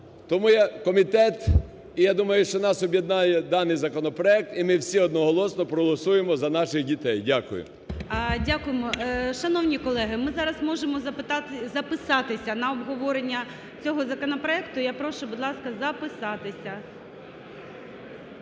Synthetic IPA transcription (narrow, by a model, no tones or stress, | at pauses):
t̪ɔmujɛkɔmʲit̪ɛt̪ | ijad̪umɐjʊʃt͡ʃɔnɑsɔbʲjed̪nɑjɛd̪ɑnːɪjzɐkɔnɔpɾɔɛk̚t̪imɪwsʲiɔd̪nɔɦɔlˠɔsnɔpɾɔɦɔlˠɔsujemɔzɐnɑʃɪxdʲit̪ɛjdʲakʊ̰jʊ̰ | dʲakʊjemɔʃɐnɔwnʲikɔlˠɛɦɪmɪzɑɾɐzmɔʒemɔɐzɐpɪsɑt̪ɪsʲɐnɐɔbɦɔʋɔɾenʲːɐ | t͡sʲɔɦɔzɐkɔnɔpɾɔɛkt̪ʊjapɾɔʃʊbʊd̪lˠɑskɐzɐpɪsɑt̪ɪsʲɐ